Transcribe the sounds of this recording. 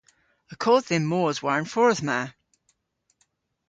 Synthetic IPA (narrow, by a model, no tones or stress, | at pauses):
əkʰɔd̪ðẽmːoəzwaɹə̃nfɔɹəðma